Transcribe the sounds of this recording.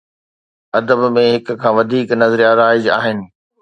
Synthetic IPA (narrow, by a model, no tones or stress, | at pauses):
ɐd̪əbmẽɦɪkkʰãːʋɐd̪ʱiːknɐzɾijaɾaːɪd͡ʑa̰ːɦɪnɪ̆